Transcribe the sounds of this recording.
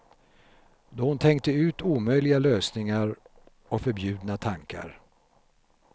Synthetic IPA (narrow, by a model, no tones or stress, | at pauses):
d̪ɔhʊnt̪ʰɛŋk̚t̪əʉ̟ːt̪uːmœjlɪɡaløːsnɪŋaɾ | ɔkfœɾbjʉ̟ːd̪nat̪ʰaŋka̰ɾ